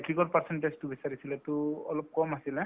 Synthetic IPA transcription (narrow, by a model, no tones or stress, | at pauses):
kiɡɔɹpaɹsɛnʈaztubisaɹisilɛtʊɔlɔp̚kɔmasilɛ